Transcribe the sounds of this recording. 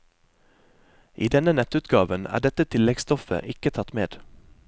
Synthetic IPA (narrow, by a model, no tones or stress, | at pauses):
ʔiːd̪ɛnənɛt̪ʉːt̪ɡɑːʋənæ̰ːɖɛt̪ət̪ʰɪlɛɡst̪ɔfə̰ʔɪkət̪ʰɑt̪meːd̪̥